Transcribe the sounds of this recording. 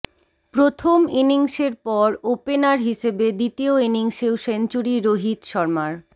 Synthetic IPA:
pɾot̪ʰominiŋʃeɾpɔɾopenaɾɦiʃebed̪it̪ioiniŋʃewʃent͡ɕuɾiɾoɦit̪ʃɔɾmaɾ

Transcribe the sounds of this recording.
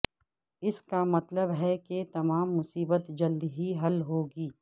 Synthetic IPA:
ɪskamɐt̪ləbɦɛket̪ɐmaːmːʊsiːbət̪d͡ʒɐld̪ɦiɦɐlɦoːɡiː

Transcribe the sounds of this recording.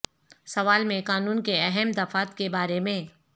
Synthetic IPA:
sɐʋaːlmẽqaːnuːnkeɛɦɛmd̪ɐfaːt̪kebaːɾemẽ

